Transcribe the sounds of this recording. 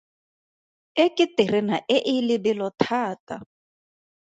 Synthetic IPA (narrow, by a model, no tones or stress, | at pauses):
ɪkʼɪtɪrɪnaʔɪʔɪlɪbɪlɔtʰaːtʼa